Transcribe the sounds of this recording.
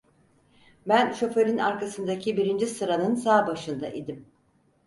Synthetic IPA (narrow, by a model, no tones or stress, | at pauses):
bænʃo̞fø̞ɾina̰ɾkasɯnd̪acʰibiɾind͡ʒisɯɾanɯnsaːbaʃɯnd̪a̰ʔid̪im